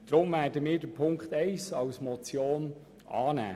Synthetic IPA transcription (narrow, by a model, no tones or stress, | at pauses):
d̥ɾʊmvæːdəmɪːdəpʰʊŋkχt̪ɛɪsɑwsmɔt͡sjoːn | ɑːnæ̰ː